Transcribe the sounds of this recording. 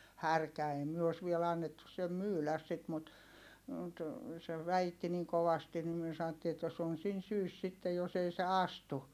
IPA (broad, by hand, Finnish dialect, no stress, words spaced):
hærkæ ei myø os ʋiel ɑnːetːus sem myːlæs sit mut mut se ʋæitːi niŋ koʋɑstin nim myø sɑn̆otːiː etːæ s on sin syːs sitːe jos ei se ɑstu